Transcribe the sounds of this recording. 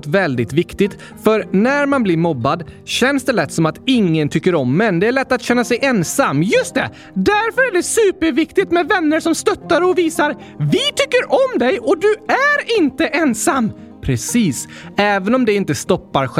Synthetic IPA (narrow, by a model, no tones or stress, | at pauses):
t̪vɛld̪ɪt̪vɪkt̪ɪt̪ | fœɾnæɾmanblɪɾmɔbːad̪ɕɛnsd̪ɛlɛt̪ːsɔmat̪ɪŋːənt̪ʰʏkːəɾɔmːɛnd̪ɛæɭɛt̪ːat̪ɕɛnːasɛjʔɛnsamːjɵst̪ɛ̰ | d̪æɾfœɾæɖɛsʉːpəɾvɪkt̪ɪt̪mɛvɛnːəʂɔmst̪œt̪ːaɾɔviːsaɾ | vɪt̪ʰʏkːəɾʔɔmd̪ɛjɔd̪ɵæɾɪnt̪əʔɛnsamː | pʰɾɛsiːs | ɛːvənɔmd̪ɛɪnt̪əst̪ɔpːaɾɧ